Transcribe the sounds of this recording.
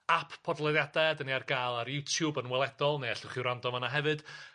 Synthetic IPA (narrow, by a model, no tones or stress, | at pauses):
apʰpʰːɔdlˠɛðjadadəniarɡaːlˠaɾjutʰjubənwɛlˠɛdɔlˠneaɬʊχiwɾandɔmanaɦɛvɨd̥